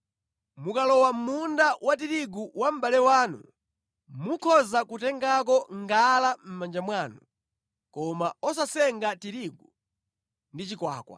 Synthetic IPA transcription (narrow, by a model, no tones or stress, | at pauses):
mukalɔwam̩mundawatiɾiɡuwam̩balɛwaːnṵ | mukʰɔzakutɛŋɡak̬ɔŋɡalam̩mand͡ʒamwaːnu | kɔmaɔs̬asɛŋɡatiɾiɡu | ndit͡ʃikwa̰ːkwa̰